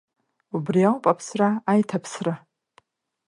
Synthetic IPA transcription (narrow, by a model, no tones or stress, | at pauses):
ubriawpʼapʰsraːjtʰapʰsra